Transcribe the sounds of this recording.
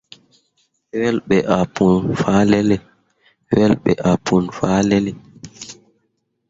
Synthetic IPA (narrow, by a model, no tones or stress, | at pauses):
wɛlɓɛʔapunfaːlɛlɛ | wɛlɓɛ̰ʔapʰunfaːlɛlɛ